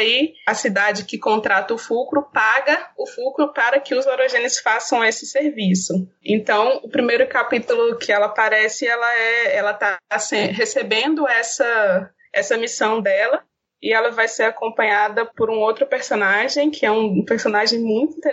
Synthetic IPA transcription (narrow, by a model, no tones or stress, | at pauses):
iɐsid̪ad͡ʒɪkɪkõnt̪ɾat̪ɐʊfukɾʊpaɡɐʊfukɾʊpaɾɐkɪʊzoɾoʒẽnɪsfasɐ̃w̃esɪ̥seɾvisʊ | ḛ̃nt̪ɐ̃w̃ʊpɾimejɾʊkapit̪ʊlʊkʰɪɛlɐapaɾɛsɪɛlɐɛɛlɐt̪asẽɦesebẽnd̪ʊɛsɐ | ɛsɐmisɐ̃w̃d̪ɛlɐ | ɪɛlɐvajseɾakõmpɐ̃ɲad̪ɐpoɾũowt̪ɾʊpeɾsonaʒẽj̃kʰɪɛũpeɾsõnaʒẽj̃mũj̃t̪ʊĩt̪e